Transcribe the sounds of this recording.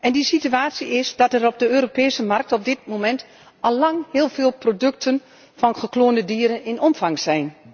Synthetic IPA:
ʔɛndisityaːtsiɪsd̥ɑtɛrɔb̚dəøːɾopeːsəmark̚tɔb̚dɪt̚momɛnt | ɑlːɑŋhɪːlˠv̥ɪːlˠprodɵk̚tʰən | fɑnχəkloːndədiːɾənɪnɔmfɑŋz̥ɛjn

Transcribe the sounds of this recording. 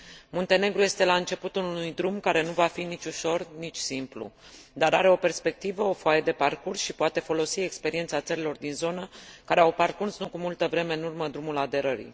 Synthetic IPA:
munt̪e̞ne̞ɡɾuje̞st̪e̞laɨnt͡ʃe̞put̪ulunujd̪ɾumkaɾe̞nuvafinit͡ʃʲuʃo̞rnit͡ʃʲsimplṵd̪aɾaɾe̞o̞pe̞rspe̞k̚t̪ivəo̞foajed̪e̞parkursʃipoat̪e̞fo̞lo̞sie̞kspe̞ɾie̞nt̪sat̪səɾilo̞rd̪inzo̞nəkaɾeawparkursnukumult̪əvɾe̞me̞ɨnurməd̪ɾumulad̪e̞ɾəɾḭ

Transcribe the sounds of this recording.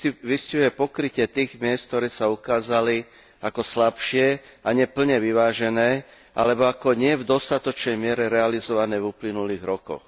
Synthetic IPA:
ʋisciʊjɛpɔkɾicɪɛt̪iːɣmɪɛst̪̚t̪ɔɾɛːsaukaːzali | akɔslapʃɪɛ | aɲɛpl̩ɲɛʋiʋaːʒɛnɛː | ʔa̰lɛbɔakɔɲɪɛvd̪ɔst̪at̪ɔt͡ʃnɛjmɪɛɾɛɾɛalizɔʋanɛːvuplinuliːɣɾɔkɔ̰x

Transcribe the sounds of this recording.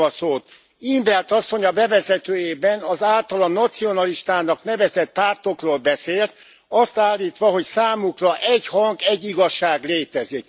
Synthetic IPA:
ɒsoːt̪ | imbɛrt̪ɒsːo̞ɲɒbɛvɛzɛt̪øːjeːbɛnɒzaːlt̪ɒlɒnɒt̪sio̞nɒliʃt̪aːnɒknɛvɛzɛt̪̚paːrt̪o̞kroːlbɛseːlt̪̚ | ɒst̪aːlːiːt̪ʋɒɦo̞csaːmukrɒʔɛɟhɒŋɡɛɟːiɡɒʃːaːɡleːt̪ɛzik

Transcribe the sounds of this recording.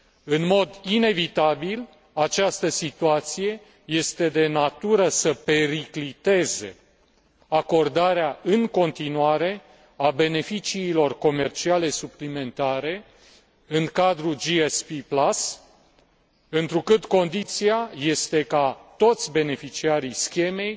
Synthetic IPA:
ɨnmo̞d̪ine̞vit̪abil | at͡ʃast̪əsit̪uat̪sije̞ | je̞st̪e̞d̪e̞nat̪uɾəsəpe̞ɾiklit̪e̞ze̞̰ | ako̞rd̪aɾeaɨŋko̞nt̪inuaɾe̞ | abe̞ne̞fit͡ʃiːlo̞rko̞me̞rt͡ʃiale̞suplime̞nt̪aɾe̞ | ɨŋkad̪ɾud͡ʒiespiplas | ɨnt̪ɾukɨt̪ko̞nd̪it̪siaje̞st̪e̞kat̪o̞t̪sʲbe̞ne̞fit͡ʃiaɾijskʲe̞me̞j

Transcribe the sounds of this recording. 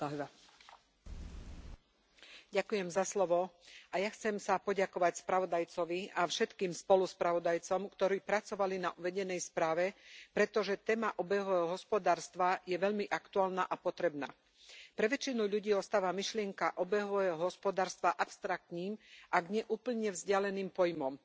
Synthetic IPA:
ɟakujɛmzaslɔʋɔajaxt͡sɛmsapɔɟakɔʋacspɾaʋɔd̪ajt͡sɔʋiafʃɛt̪kiːmspɔluspɾaʋɔd̪ajt͡sɔmkt̪ɔɾiːpɾat͡sɔʋalinaʔuʋɛɟɛnɛjspɾaːʋɛpɾɛt̪ɔʒɛt̪ɛːmaʔɔbɛɦɔʋɛɦɔɦɔspɔd̪aːɾst̪ʋajɛʋɛʎmiʔakt̪uaːlnaʔapɔt̪ɾɛbna̰ː | pɾɛʋɛt͡ʃinuʎuɟiːɔst̪aːʋamiʃlɪɛŋkaʔɔbɛɦɔʋɛɦɔɦɔspɔd̪aːɾst̪ʋaʔapst̪ɾak̚t̪niːmʔaɡɲɛʔuːpl̩ɲɛvzɟɪalɛniːmpɔjmɔm

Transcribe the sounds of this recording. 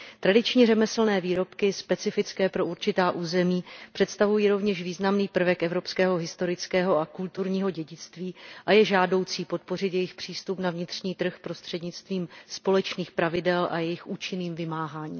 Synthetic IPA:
t̪ɾadɪt͡ʃɲirɛmɛsl̩nɛːviːɾo̞pkɪspɛt͡sɪfɪt͡skɛːpɾo̞ʔuɾt͡ʃɪt̪aːʔuːzɛmiːpr̝̥ɛt̪st̪avujiːɾo̞vɲɛʃviːznamniːpr̩vɛkʔɛvɾo̞pskɛːɦo̞ɦɪst̪o̞ɾɪt͡skɛːɦo̞akult̪uɾɲiːɦo̞ɟɛɟɪt͡st̪viːʔajɛʒaːdo̞wt͡siːpo̞t̪̚po̞rɪt̪jɛjɪxpr̝̥iːst̪upnavɲɪt̪r̝ɲiːt̪r̩xpɾo̞st̪r̥ɛdɲɪt͡st̪viːmspo̞lɛt͡ʃniːxpɾavɪdɛlʔa̰jɛjɪxʔuːt͡ʃɪniːmvɪmaːɦaːɲḭː

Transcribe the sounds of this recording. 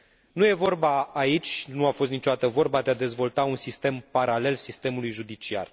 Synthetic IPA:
nuje̞vo̞rbaːit͡ʃʲnuafo̞st̪nit͡ʃod̪at̪əvo̞rbad̪e̞ad̪e̞zvo̞lt̪aunsist̪e̞mpaɾale̞lsist̪e̞mulujʒud̪it͡ʃia̰r

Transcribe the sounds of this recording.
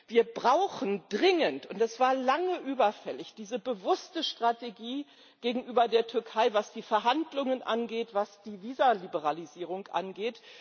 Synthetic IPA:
viːɐbʁaʊxn̩dʁɪŋəntʊntɛsv̥aːɐlaŋəʔyːbɐfɛlɪçd̥iːzəbəvʊstəʃtʁ̥ateɡiː | ɡ̥eːɡŋ̩ʔyːbɐdeːɐtʰʏɐkʰaɪvasd̥iːfɛɐɦandlʊŋənʔa̰nɡeːtv̥asd̥iːviːzalibəʁ̞aliziːʁ̞ʊŋʔa̰nɡeːt

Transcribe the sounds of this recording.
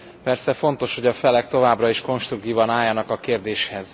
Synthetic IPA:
pɛrsɛfo̞nt̪o̞ʃho̞ɟɒfɛlɛk̚t̪o̞vaːbrɒiʃko̞nʃt̪ɾuk̪̚iːvɒnaːjːɒnɒkɒkeːrd̪eːʃhɛz

